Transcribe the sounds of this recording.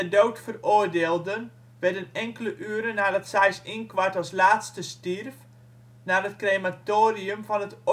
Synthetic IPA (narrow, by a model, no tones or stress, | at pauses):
ədowtfəroːrdeːlˠdən | ʋɛrdənɛŋkələʔyːəɾənːaːdɑtsajsinkʋaɹtɔlˠslaːtstəstirf | naːrətkrematoːriəmvɔnət